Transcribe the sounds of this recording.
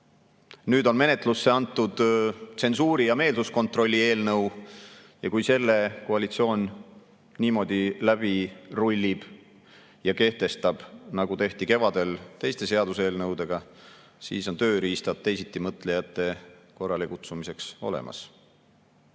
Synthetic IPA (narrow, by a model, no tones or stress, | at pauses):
nyːd̪o̞nme̞ne̞t̪ˑlusːe̞ɑnt̪ːˑud̪̥se̞nsuːɾijɑme̞ːlsusko̞nt̪ro̞lʲːie̞ːlnɤw | jɑkujse̞lːe̞koɑlit̪sio̞ːn | niːmo̞d̪̥ilæb̥irulʲːib̥ | jɑke̞ht̪e̞st̪ɑb̥nɑɡ̥ut̪e̞ht̪ike̞vɑd̪e̞lt̪e̞jst̪e̞se̞ɑd̪use̞ːlnɤwd̪̥e̞ɡ̥ɑ | sḭːso̞nt̪ø̞ːɾiːst̪ɑt̪̚t̪ːe̞jsit̪ˑːimɤt̪ˑle̞jɑt̪ːˑe̞ko̞rːɑlikut̪sumise̞kso̞̰lḛmʔɑ̰s